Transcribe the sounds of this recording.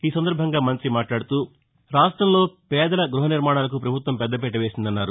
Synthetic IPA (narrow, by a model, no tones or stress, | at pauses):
iːsɐnd̪ɐɾbʱɐŋɡaːmɐnt̪ɾimaːʈlaːɽut̪uː | ɾaːsʈɾɐmlo̞ːpɛːd̪ɐlɐɡɾuɦɐniɾmaːɳaːlɐkupɾɐbʱut̪ʋɐmpɛd̪ːɐpɛʈɐʋe̞ːsind̪ɐnːaːɾu